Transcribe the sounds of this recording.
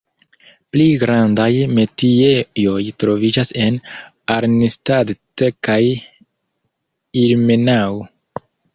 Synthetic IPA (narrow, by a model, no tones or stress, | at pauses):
pliɡɾandajme̞tiejo̞jtɾo̞vid͡ʒase̞n | aɾnistadtekaj | iɾmenaw